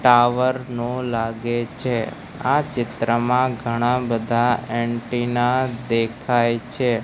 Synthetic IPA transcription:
ʈaʋəɾnolaɡet͡ʃʰe | at͡ʃɪt̪ɾəmãɡʱəɽ̃ãbəd̪ʱaeɳʈinad̪ekʰajt͡ʃʰe

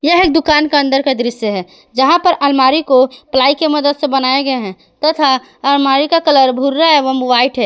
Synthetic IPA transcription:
jəɦeːk̚d̪ʊkaːnkeə̃nd̪əɾked̪ɪɾɪsəɦɛː | d͡ʒəɦãpəɾʔəlmaːɾikoplaːikeməd̪əd̪sebənaːeɡəeɦɛ̃ | t̪ət̪ʰa | əlmaɾikakələɾbʱuɾːaɦɛʋəmwaːiʈɦɛ

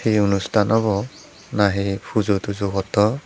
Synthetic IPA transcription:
hejunustʰanaβɔ | naɦejpʰuzotuzoɡɔtɔ

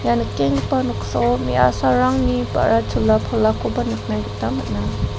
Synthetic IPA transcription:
janɯk̚ːeŋpanɔksɔwmḭʔa̰saɾaŋnipa̰ɾʔatʰulːapʰɔlːakʰobanɯk̚najɡɯtamat̚na

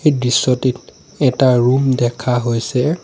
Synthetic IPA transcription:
ejdisːɔtit | ɛtaɹumdɛkʰaɦojsɛ

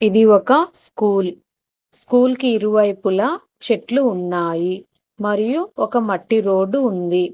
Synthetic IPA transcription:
id̪iɔkɐskuːl | skuːlkiːɾuʋɐjpulɐ | t͡ʃeʈluːnːaːji | mɐɾijuɔkɐmɐʈːiɾo̞ːɖuːnd̪i

